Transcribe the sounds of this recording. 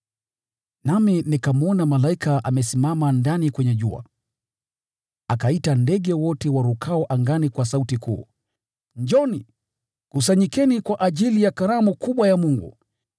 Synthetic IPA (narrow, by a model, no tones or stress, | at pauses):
naminikamuɔnamalaikaʔamɛsimamandanikwɛɲɛʄua̰ | akaitandɛɠɛwɔtɛwaɾukʰaɔʔaŋɡanikwas̬autikʰṵː | ɲd͡ʒɔni | kusaɲikɛnikwaʔaʄilijakaɾamukuɓwajamuŋɡṵ